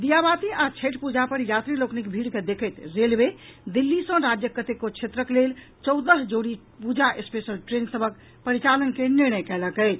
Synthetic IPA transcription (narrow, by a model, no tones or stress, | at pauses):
d̪ijabat̪iat͡ʃʰeʈpud͡ʒapəɾjat̪ɾiloknikbʱiɽked̪ekʰəɪt̪ɾelbed̪ilːisə̃ɾad͡ʒjəkət̪ekot͡ʃʰet̪ɾəklel | t͡ʃɔʊd̪əɦd͡ʒoɽi | pud͡ʒaʔespesəlʈɾensəbʱək̚ | pəɾit͡ʃalənkeniɾnəjkɛləkɛɪt͡ʃʰ